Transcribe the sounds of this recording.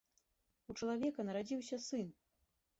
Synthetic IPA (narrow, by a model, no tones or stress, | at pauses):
ut͡ʂɐlˠavʲɛkɐnɐɾad͡zʲiwsʲɐsɨn